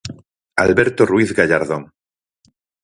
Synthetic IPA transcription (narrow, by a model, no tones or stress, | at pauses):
alβeɾt̪orwiθɣaʎaɾðoŋ